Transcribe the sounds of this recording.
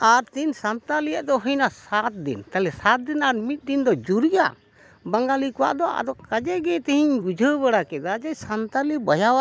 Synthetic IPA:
aɾt̪insant̪alijaʔd̪ɔɦəjnasat̪̚d̪ḭnt̪alɛsat̪̚d̪inaɾmit̪̚ˀd̪ind̪ɔd͡ʒuɾija̰ | baŋɡalikɔwa̰ʔd̪ɔʔa̰d̪ɔkad͡ʒɛɡɛt̪ɛɦiɲɡud͡ʒʱəbəɽakɛd̪ad͡ʒajsant̪alibəjawaʔ

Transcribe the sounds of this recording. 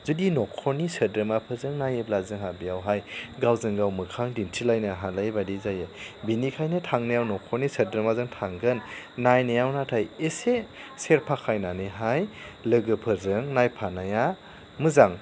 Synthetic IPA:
zudinɔkʰɔɾnisədɾɯmapʰɯzɯŋnajeblazɯŋɦabijawɦajɡawzɯŋɡawmɯkʰaŋdintʰilajnaɦalajbadizajebinikʰajnɯtʰaŋnajawnɔkʰɔɾnisədɾɯmazɯŋtʰaŋɡɯnːajnɯjawnatʰajeseseɾpʰakʰajnanɯɦajlɯɡɯpʰɯzɯŋnajpʰanaja | mɯzaŋ

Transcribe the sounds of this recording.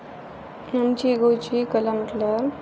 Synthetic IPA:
jamt͡ɕiɡot͡ɕikəlaməʈlaɾ

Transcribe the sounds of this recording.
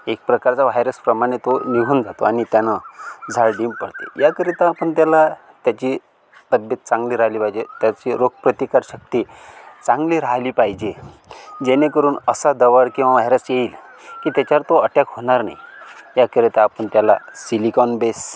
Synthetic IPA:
ek̚pɾəkaɾt͡saʋ̤ajɾəspɾəmaɽ̃et̪oniɡʱund͡zʱat̪oaɽ̃it̪janad͡zʱaɭɖimpəɽt̪ḛjakəɾit̪aːpəɳt̪jala | t̪jat͡ɕi | t̪əbjət̪̚t͡sãŋɡliːɾaliːpajd͡ʑet̪jat͡ɕiɾoɡ̚pɾət̪ikaɾɕək̚t̪iːt͡sãŋɡliːɾaliːpajd͡ʑe | d͡ʑenekəɾuːnəsad̪əʋəɾkĩw̃ʋaʋajɾəsjeiːlkiːt̪jat͡ɕaɾt̪oəʈjakɦoɽ̃aɾna̰jjakəɾet̪aːpəɳt̪jala̰silikɔnbes

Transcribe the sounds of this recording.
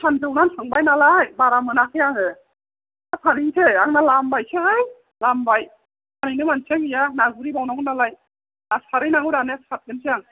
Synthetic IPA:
sʰantɯwnanʰaŋbajnalajbaɾamɯnakʰɯjaŋɯ | apʰaniŋtʰeaŋnalambajsʰeɦaj | lambaj | aninɯmansʰeŋijanaɡuɾibawnaŋnalaj | asaɾɯjnaŋɯdanekʰat̚ɡɯnsʰejaŋ

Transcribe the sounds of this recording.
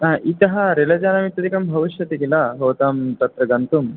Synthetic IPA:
aːʔit̪ɐɦɐɾelɐd͡ʒaːnɐmit̪ɐd̪ikɐmbʱɐʋiʃjɐt̪ikilaɦoːt̪aːmt̪ɐt̪ɾɐɡɐnt̪um

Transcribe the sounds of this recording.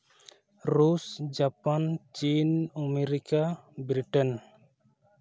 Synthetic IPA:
ɾusd͡ʒapant͡ʃinɔmeɾikabɾiʈɛn

